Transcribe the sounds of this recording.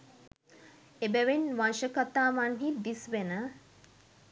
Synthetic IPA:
ebæʋenʋanʃəkat̪aːʋanɦid̪isʋenə

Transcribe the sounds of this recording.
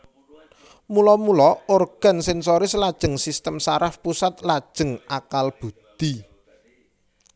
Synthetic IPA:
mulɔmulɔorɡ̥a̤nsɛnsoɾɪslad̥ʒ̥ə̤ŋsist̪əmsaɾafpusat̪lad̥ʒ̥ə̤ŋakalb̥ṳd̪̥i

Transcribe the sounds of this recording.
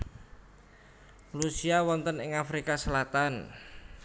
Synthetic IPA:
rusiawɔnt̪ənɪŋafɾikasəlat̪an

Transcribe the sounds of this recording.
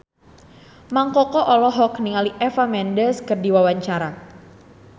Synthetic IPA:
maŋkɔkɔʔɔlɔɦɔkniŋaliʔɛfamɛndəskərdiwawaɲt͡ʃaɾa

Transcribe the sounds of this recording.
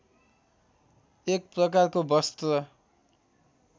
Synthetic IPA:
ek̚prʌk̬arkobʌst̪rʌ

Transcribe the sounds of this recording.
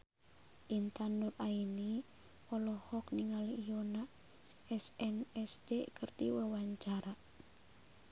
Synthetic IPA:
ʔint̪anduraini | ɔlɔhɔk̚niŋaliijona | ɛsɛnɛsdekərdḭwawaɲt͡ʃaɾa

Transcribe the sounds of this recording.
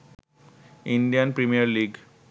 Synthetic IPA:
iɳɖijənpɾimijəɾliːɡ

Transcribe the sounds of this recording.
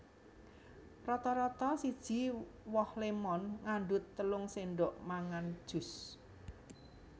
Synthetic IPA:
rɔt̪ɔɾɔt̪ɔsid̥ʒ̥i̤wɔhlemɔnŋaɳɖʊt̪ːəlʊŋseɳɖɔʔmaŋand̥ʒ̥ʊ̤s

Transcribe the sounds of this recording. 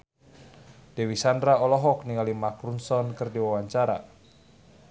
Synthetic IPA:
d̥ewisandɾaɔlɔɦɔk̚niŋalimakɾunsɔnkərdiwawaɲt͡ʃaɾa̰

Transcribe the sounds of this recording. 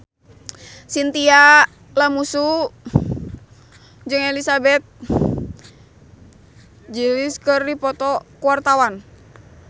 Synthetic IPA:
sint̪ia | lamusu | d͡ʒɨŋɛlisabɛt̪̚ | d͡ʒiliskərːipɔt̪ɔkuwart̪awan

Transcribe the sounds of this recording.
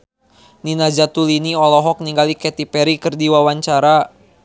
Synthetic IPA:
ninad͡ʒat̪uliniɔlɔɦɔk̚niŋɡalikɛt̪ipɛɾikɨrdiwawaɲt͡ʃaɾa

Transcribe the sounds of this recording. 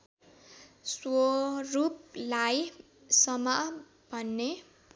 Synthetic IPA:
sworup̚laj | sʌmʌ | b̥ʱʌnːe

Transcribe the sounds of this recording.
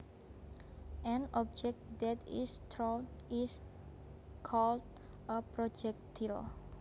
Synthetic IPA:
ʔɛ̃nɔp̚d͡ʒɛk̚t̚d̪ɛt̪ist̪ɾɔis | kʰɔld̚ | ʔəpɾod͡ʒɛk̚t̪ʰil

